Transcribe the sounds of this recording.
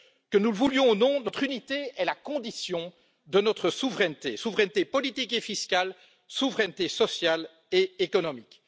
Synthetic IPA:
kənuləvuljɔ̃onɔ̃nɔt̪χynit̪eɛlakɔ̃d̪isjɔ̃ | d̪ənɔt̪χəsuvʁɛnt̪ḛsuvʁɛnt̪epɔlit̪ikefiskʲal | suvʁɛnt̪esɔsjal | eekɔnɔmik

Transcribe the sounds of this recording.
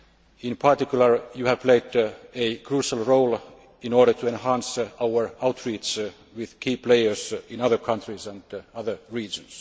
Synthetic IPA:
ĩnpʰɑɹt̪ikjuləɹjuhæʋpʰleɪdekʰɹuːʃalˠɹoʊl | ĩnoːɹdət̪ʰuẽnhæ̃nsawəɹaʊt̪ɹiːt͡ʃ | wɪðkʰiːpleɪə˞sɪ̃nʌðə˞kʰʌ̃nt̪ʰɹisæ̃ndʌðə˞ɹiːd͡ʒə̃ns

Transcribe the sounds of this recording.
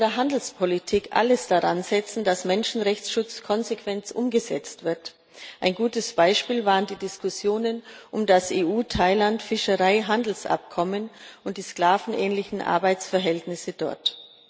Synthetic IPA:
ndeːɐɦandl̩spʰɔlitʰiːkʔa̰ləsd̥aʁa̰nzɛt͡sn̩dasmɛnʃn̩ʁɛçt͡sʃʊt͡skʰɔnzekv̥ɛnt͡sʔʊmɡəzɛ̰t͡stv̥ɪɐt | ʔaɪnɡuːtəsb̥aɪʃpiːlvaːʁəndiːdɪskʊsjoːnənʔʊmdasʔeːʔuːtʰaɪlantfɪʃəʁaɪɦandl̩sʔa̰p̚kʰɔmənʔʊntd̥iːsklaːvn̩ʔɛːnlɪçn̩ʔa̰ɐbaɪt͡sfɛɐɦɛltnɪsədɔ̰ɐt

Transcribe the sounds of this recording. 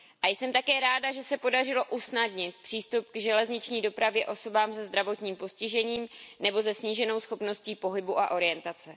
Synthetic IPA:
ʔajsɛmt̪akɛːɾaːdaʒɛsɛpo̞darɪlo̞ʔusnadɲɪt̪̚pr̝̥iːst̪upɡʒɛlɛzɲɪt͡ʃɲiːdo̞pɾavjɛʔo̞so̞baːmsɛzd̪ɾavo̞t̪ɲiːmpo̞scɪʒɛɲiːmnɛbo̞zɛsɲiːʒɛno̞wsxo̞pno̞sciːpo̞ɦɪbuʔa̰ʔo̞ɾɪjɛnt̪at͡sɛ

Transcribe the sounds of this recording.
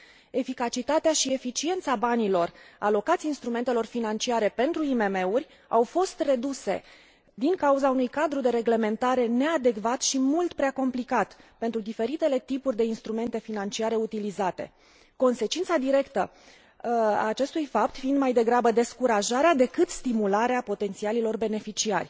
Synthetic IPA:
e̞fikat͡ʃit̪at̪eaʃie̞fit͡ʃie̞nt̪sabanilo̞ra̰lo̞kat̪sʲinst̪ɾume̞nt̪e̞lo̞rfinant͡ʃiaɾe̞pe̞nt̪ɾuimeme̞urʲ | a̰wfo̞st̪re̞d̪use̞̰ | d̪iŋkauzaunujkad̪ɾud̪e̞ɾe̞ɡle̞me̞nt̪aɾe̞ne̞ad̪e̞kvat̪ʃimult̪pɾeako̞mplikat̪pe̞nt̪ɾud̪ife̞ɾit̪e̞le̞t̪ipurʲd̪e̞inst̪ɾume̞nt̪e̞finant͡ʃiaɾe̞ut̪ilizat̪e̞̰ | ko̞nse̞t͡ʃint̪sad̪iɾe̞kt̪ə | a̰ːt͡ʃe̞st̪ujfap̚t̪find̪majd̪e̞ɡɾabəd̪e̞skuɾaʒaɾead̪e̞kɨt̪st̪imulaɾeapo̞t̪e̞nt̪sialilo̞rbe̞ne̞fit͡ʃia̰rʲ

